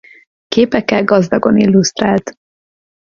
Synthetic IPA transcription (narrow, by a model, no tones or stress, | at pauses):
keːpɛkːɛlɡɒzd̪ɒɡo̞nilːust̪raːlt̪